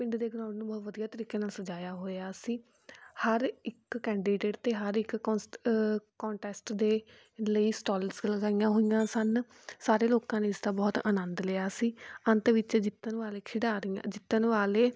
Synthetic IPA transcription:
pɪ̃ɳɖd̪eːɡnãːɽːnũːbɔːt̪ʋəd̪ijaːt̪əɾiːkeːnaːlsəd͡ʒaːjaːɦoːaːsiː | həɾɪkːɛ̃ːɳɖiːɖeːʈt̪eːɦəɾɪk | kɔːɳʈɛːsʈd̪eː | ləiːsʈɔːlsləɡaːɪjãːɦoːɪjãːsən | saːɾeːloːkãːneːɪsd̪aːbɔːt̪əːnə̃nd̪leːaːsiːənt̪ʋɪt͡ʃd͡ʒɪt̪ːənʋaːleːkʰɪɖaːɾɪjã̰d͡ʒɪt̪ːənʋaːleː

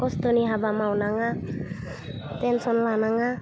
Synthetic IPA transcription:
kɔst̪oniɦabamawnaŋa | t̪ɛnsɔnlanaŋa

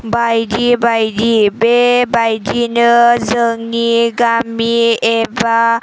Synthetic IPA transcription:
bajdibajdibebajdinɯzəŋiɡamieba

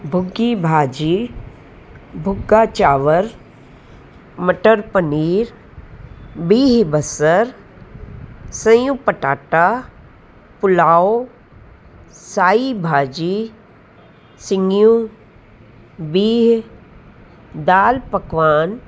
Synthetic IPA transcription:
bʱʊɡːibʱaːd͡ʒiː | bʱʊɡːaːt͡ʃaːʋəɾ | məʈəɾpəniːɾ | biːɦbəsəɾ | sɐ̃jupəʈaːʈa | pʊlaːo | saːibʱaːd͡ʒi | sɪŋjũ | biːɦ | d̪aːlpɐkʋaːn

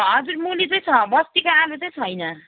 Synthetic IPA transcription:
ɦʌd͡zurmulit͡sʌj̃t͡sʰʌbʌst̪ikaalut͡sʌj̃t͡sʰʌjnʌ

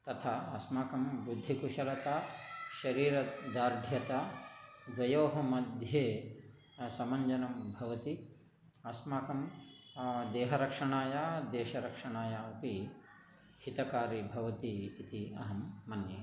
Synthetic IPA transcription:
t̪ɐt̪ʰaːɐsmaːkɐmbud̪ʱːikuʃɐlɐt̪aːʃɐɾiːɾɐd̪aːɾɖʱjɐt̪ad̪ʋɐjoːɦɐmɐd̪ʱjeː | sɐmɐɲd͡ʒɐnɐmbʱɐʋɐt̪i | ɐsmaːkɐm | d̪eːɦɐɾɐkʂɐɳaːjaːd̪eːʃɐɾɐkʂɐɳaːjaɐpi | ɦhit̪ɐkaːɾibʱɐʋɐt̪iːt̪iɐɦɐmːɐnjɐ

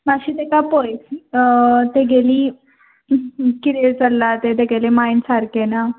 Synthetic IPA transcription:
maɕiːt̪ekapojs | t̪eɡeliː | kiɾeɾt͡səlːat̪et̪eɡelemainsaɾkena

